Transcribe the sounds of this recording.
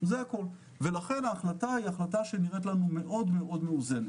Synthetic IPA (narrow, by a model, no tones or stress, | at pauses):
zeako̞l | ve̞laχe̞naːχlataiaχlataʃe̞niʁet̪lanume̞ʔo̞d̪me̞ʔo̞dmeuze̞ne